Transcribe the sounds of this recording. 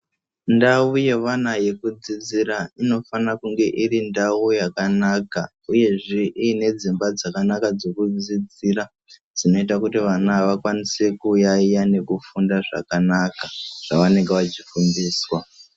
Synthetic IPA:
ndauje̞ʋanaje̞kud͡zid͡ziɾaino̞fanakuŋɡe̞ʔirindaujakanaka | uje̞ʐeʔiːne̞d͡zimbad͡zakanakad͡zo̞kud͡zid͡ziɾa | d͡zino̞itakutiʋanaʋakwanise̞kujaijane̞kufundaʐa̰kanakaʐ̥aʋane̞ŋɡeʋat͡ʃifundiːswa

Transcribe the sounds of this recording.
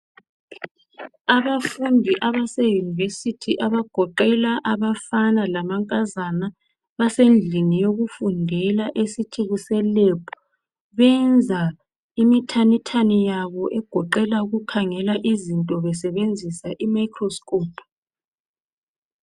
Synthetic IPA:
aβafundʱiʔaβasejunivesitʰiʔaβaɡ̥ʱɔǃɛlaʔaβafanalamaŋkʼazana | βasend͡ɮʱinijoɣufundʱɛlaʔesitʰiɣusɛlɛpʰɔ̥ | βɛnd͡zʱa | imitʰanitʰanijaβɔʔɛɡ̥ʱɔǃɛlauɣukʰaŋɛlaʔizintʼɔβɛsɛβend͡zʱisaʔimajkʰrɔskʼoːpʰ

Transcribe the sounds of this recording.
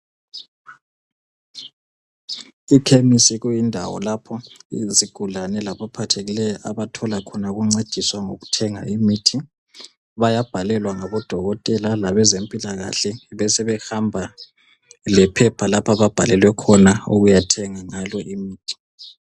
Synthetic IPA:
ikʰemisiɣujindʱawɔ̰lapʰɔḭziɡ̥ʱulanɛlaβapʰatʰeɣilɛjɔʔaβatʰɔlakʰɔnaɣuŋ͡ǀed̥ʱiswaŋoɣutʰɛŋaimitʰi | βajab̥ʱalɛlwaŋaβɔd̥ʱɔɣɔtʼɛlalaβɛzempʼilaɣa̰ɬɛβɛsɛβɛxambʱa | lɛpʰɛpʰalapʰaβab̥ʱalɛlwɛkʰɔnauɣujatʰɛŋaŋalɔʔimiːtʰi̥

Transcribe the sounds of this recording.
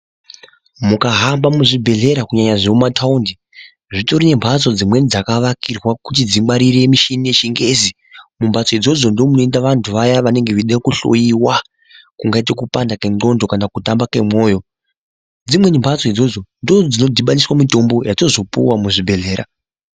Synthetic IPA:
mukaɦambamuʐibʱe̞ɮe̞ɾakuɲaɲaʐeumatʰaundi | ʐito̞ɾinembʱat͡so̞d͡zimwe̞nid͡zakaʋakirwakut̬id͡zimaɾiɾemiʃinieʃiŋɡe̞ːzi | mumbʱat͡so̞id͡zo̞d͡zo̞ndomuno̞indaʋantʰuʋajaʋane̞ŋɡeʋiɗekuɬo̞̰jiwa | kuŋɡaitekupandake̞ŋo̞ndo̞kanakutambake̞mwo̞ːjo̞ | d͡zimwe̞nimbʱat͡soid͡zo̞d͡zo̞ndo̞d͡zino̞dʱiɓaniswamito̞mbo̞jato̞zo̞pṵwamuʐibʱe̞ɮe̞ːɾa̰

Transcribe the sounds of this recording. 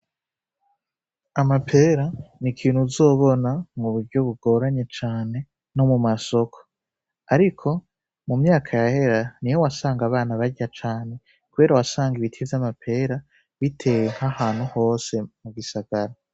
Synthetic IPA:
amapʰe̞ːɾanikʰiːnhuzo̞ːβo̞namuβuɾɟo̞βuɡo̞ːɾaɲe̞t͡ʃaːne̞ | no̞mumaso̞kʰo̥ | aɾikʰo̞ | mumɲaːkʰajahe̞ɾanijo̞wasaːŋɡaβaːnaβaɟat͡ʃaːne̞ | kuβe̞ːɾawasaːŋɡiβitʰivamapʰe̞ɾa | βitʰe̞jeŋ̥hahaːnhuho̞ːse̞muɡisaɡ̥aɾa

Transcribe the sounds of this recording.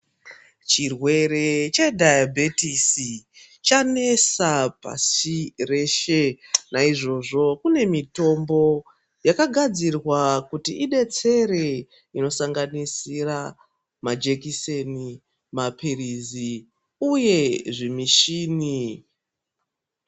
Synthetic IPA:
t͡ʃirwe̞re̞t͡ʃe̞dʱajabʱetisi | t͡ʃane̞sapa̰sire̞ʃenaiʐo̞ʐo̞kune̞mito̞mbo̞ | jakaɡʱad͡zirwakutiiɗe̞t͡se̞ɾe̞ | ino̞saŋɡanisira | mad͡ʒekiseni | mapʰirizi | uje̞ʐimiʃiːni

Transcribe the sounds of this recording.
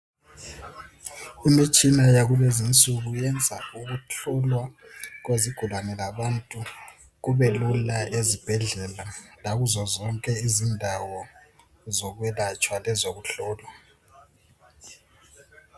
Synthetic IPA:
imit͡ʃʼinajaɣulezint͡sʼuɣujɛnd͡zʱa̰uɣuɬʰɔlwaɣweziɡ̥ʱulwanɛlaβantʼu | ɣuβɛlulaʔezib̥ʱɛɮɛlalaɣuzɔzɔŋkʼɛizindʱawɔ | zɔɣwɛlat͡ʃʼwalɛzoɣuɬɔːlwa

